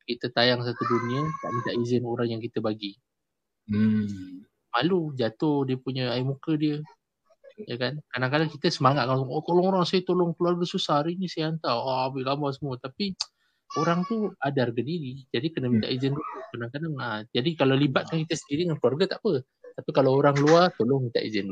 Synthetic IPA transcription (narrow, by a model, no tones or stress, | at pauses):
kit̪ət̪ajaŋs̬at̪uduniət̪a̰ʔmĩnt̪aʔizɪnoɾaŋjaŋkit̪əbaɡi | m | malud͡ʒat̪ohdiəpuɲəaimukədiə | jakankadaŋkadaŋkit̪əsəmaŋat̪̚kat̪olɔŋoɾaŋsajət̪olʊŋkluarɡasusarinĩsajaant̪aabɪʔɡambasəmuət̪api | oɾaŋt̪uadarɡadiɾid͡ʒadikənamint̪a̰ʔizɪnɾukadaŋkadaŋad͡ʒadikalalibat̪̚kankit̪əsəndiɾiŋankluarɡat̪aʔpə | t̪apikalaoɾaŋluart̪oloŋmint̪aʔḭzɪn